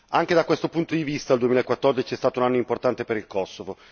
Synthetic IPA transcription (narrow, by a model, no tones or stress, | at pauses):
aŋked̪akwest̪opunt̪od̪ivist̪adːld̪uemilaekwat̪ːɔrd̪it͡ʃiɛst̪aːt̪ounanːoimport̪ant̪epeɾilkɔsːovo